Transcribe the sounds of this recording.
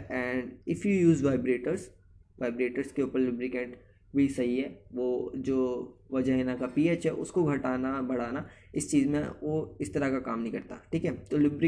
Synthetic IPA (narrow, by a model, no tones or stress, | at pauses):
ɛ̃ːɳɖɪfjujuːzʋaːɪbɾeːʈəɾz | ʋaːɪbɾeːʈəɾskeuːpəɾlʊbɾɪkẽːɳʈ | bʱisɐɦiɦɛːʋod͡ʒoːʋɐd͡ʒəɦenakapiːeːt͡ʃɦɛ̰ʔʊ̰skoɡʱɐʈaːnabɐɽ̤aːna | ɪst͡ʃiːzmḛ̃ʋoɪst̪ɐɾakakaːmnɐɦĩkɐɾt̪a̰ʈʰiːkɦɛt̪olʊbɾɪ